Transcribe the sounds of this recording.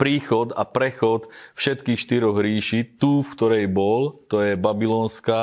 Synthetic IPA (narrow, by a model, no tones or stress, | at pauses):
pɾiːxɔd̪a̰pɾɛxɔt̪fʃɛt̪kiːxʃt̪iɾɔɣɾiːʃit̪uːfkt̪ɔɾɛjbɔlt̪ɔjɛbabilɔːnska